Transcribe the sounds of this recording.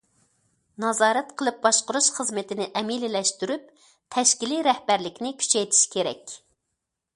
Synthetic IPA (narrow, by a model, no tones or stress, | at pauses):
nɑzɑːɾɛt̪qʰəlˠɨp̚bɑʃqʊɾuʃχəzmɨt̪ʰɪnɪʔɛmilɪlɛʃt̪yɾyp̚ | t̪ʰɛʃkʲiliɾɛhbæɾlɪkʲnɪkʲʰy̥t͡ʃʰɛjt̪ʰi̥ʃi̥kʲʰeɾɛ̰kʲ